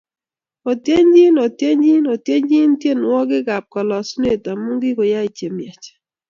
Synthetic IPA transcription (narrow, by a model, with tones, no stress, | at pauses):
o˨tje˦ɲd͡ʒi˦nɔ˨tje˦ɲd͡ʒi˦nɔ˨tje˦ɲd͡ʒi˦n˦tje˦˨n˨wɔ˦ɡɪ˦ɡa˨p̚kɔ˨lɔ˨sne˦˨ta˨mu˦ŋɡɪ˦kɔ˨ja˦i˨t͡ʃe˨mjɛ˨t͡ʃ